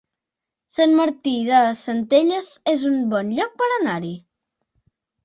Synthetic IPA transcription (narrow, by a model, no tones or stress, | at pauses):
sənməɾt̪iðəsənt̪eʎəzezumbɔnʎɔk̚pəɾənaɾi